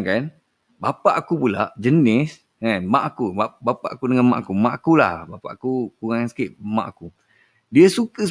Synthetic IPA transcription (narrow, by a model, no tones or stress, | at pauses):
ŋkan | bapaʔakupulaʔd͡ʒənɪs | amaʔakuabapa̰ʔakudəŋanmaʔakumaʔakula̰hbapa̰ʔakukuɣaŋjaŋsə̥kɪʔma̰ʔaku | diəsukəs